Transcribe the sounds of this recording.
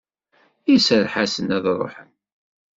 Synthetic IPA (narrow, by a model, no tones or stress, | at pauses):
isəɾħasənæðɾˤo̰ħən